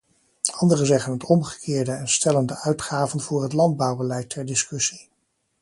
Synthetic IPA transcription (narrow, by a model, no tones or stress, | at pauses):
ɑndərəzɛχənɦətɔmχə̥kʰɪːɹdəɛnstɛləndəʔœɥtχaːvənv̥ʊːɹɦətlɑnd̚bɑwbəlɛjtʰɛɹdɪskɵsi